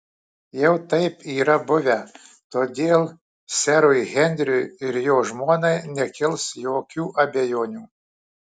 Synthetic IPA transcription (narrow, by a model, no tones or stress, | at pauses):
jɛʊt̪ɐɪpiːɾɐbʊʋʲɛ | t̪oːd̪ʲeːlˠ | sʲɛɾʊjɣʲɛnʲd̪ʲɾʲʊɪɾjoːʒmoːnɐɪnʲɛkʲɪlˠsjoːkʲuːʔɐbʲɛjoːnʲuː